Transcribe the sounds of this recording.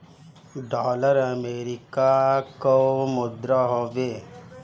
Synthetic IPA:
ɖɔləɾameɾikakɔmud̪ɾɔɦɔbe

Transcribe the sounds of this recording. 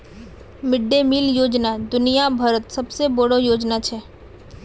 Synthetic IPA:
mɪɖːemiːljoːd͡ʒnad̪ʊnijabʱɐɾət̪sɐbseboɽojoːd͡ʒnat͡ʃʰɛː

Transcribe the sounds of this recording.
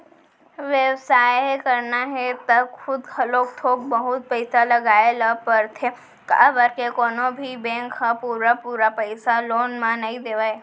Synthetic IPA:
ʋjəʋsaːjkɐɾnaɦet̪ɐxʊd̪kɐloːk̚t̪ʰoːk̚bɐɦʊt̪̚pɐɪsalɐɡaːelapɐɾt̪ʰe | ka̰bəɾkekoːnobʱibɛ̃ːŋkhãpuːɾapuːɾapɐɪsaloːnmãnɐĩd̪eːʋaːe

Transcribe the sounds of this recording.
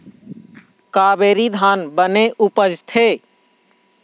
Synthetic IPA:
kaːbeːɾid̪ʱaːnbəneʔupəd͡ʒt̪ʰe

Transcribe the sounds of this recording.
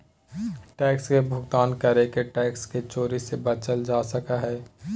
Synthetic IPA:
ʈɛːkskebʱʊɡt̪aːnkəɾekeʈɛːksket͡ʃoːɾisebət͡ʃəld͡ʒaːsəkaɦɛː

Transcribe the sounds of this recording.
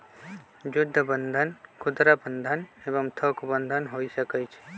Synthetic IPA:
jʊd̪ʱːəbənd̪ʱənkʰʊd̪ɾabənd̪ʱənebəmt̪ʰokbənd̪ʱənɦoisəkət͡ʃʰ

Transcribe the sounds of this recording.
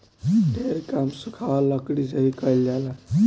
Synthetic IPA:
d̪ʱeɾkamsukʰaʋaləkɽisəɦikəjlala

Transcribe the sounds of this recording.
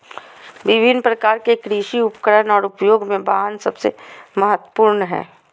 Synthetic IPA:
ʋɪbʱɪnːpɾəkaːɾkekɾiʃiʊpkəɾənɔːɾʊpjoːɡmẽbaːɦənsɐbsḛməɦət̪wəpuːɾnɦɛ̰̃ː

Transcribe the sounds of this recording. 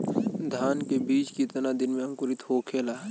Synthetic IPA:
d̪ʱaːnkebiːt͡ʃkit̪ənad̪ɪnmẽə̃ŋkʊɾɪt̪hokʰeːlaː

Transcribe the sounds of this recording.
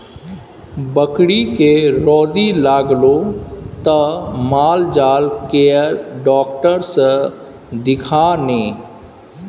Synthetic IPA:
bəkɽikeɾɔːd̪ilaːɡlot̪əmaːld͡ʒaːlkeəɾɖɔːkʈəɾsə | d̪ɪkʰaːneː

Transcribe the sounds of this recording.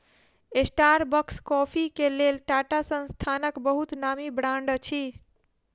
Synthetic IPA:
esʈaɾbəkskɔpʰikelelʈaʈasə̃nst̪ʰanəkbəɦut̪namibɽãɳɖt͡ʃʰi

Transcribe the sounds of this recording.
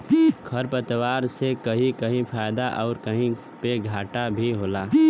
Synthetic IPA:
kʰɐɾpət̪waːɾsekɐɦĩkəɦĩpʰaːjd̪aʔɔːɾkəɦĩ | peɡʱaːʈabʱiɦoːlaː

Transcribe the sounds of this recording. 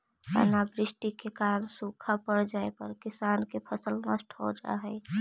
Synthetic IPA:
a̰nabɾɪsʈikekaɾənsukʰapəɾd͡ʒaepəɾkisankepʰəsəlnəsʈɦo̰d͡ʒa̰ɦɛɪ

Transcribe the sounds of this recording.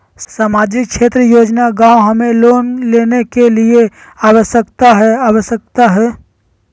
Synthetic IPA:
saːmaːd͡ʒɪkʃeːt̪ɾəjoːd͡ʒnaɡãːwɦəmẽloːnleːnekelie | aːwəʃəkt̪aɦɛaːwəʃjək̚t̪aɦɛː

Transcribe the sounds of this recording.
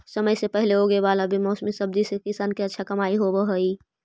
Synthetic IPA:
səməjsepɛɦleɦoɡəeʋaːlabʱimɔːsmisəb̚d̪isekɪsaːnkiɐtːʃʰakɐmaːiɦobəɦəiː

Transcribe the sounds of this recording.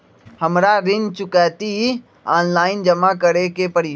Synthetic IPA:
həmɾaɾɪnt͡ʃʊkɛːt̪i | aːnlaːɪnd͡ʒəmakəɾekepəɾiː

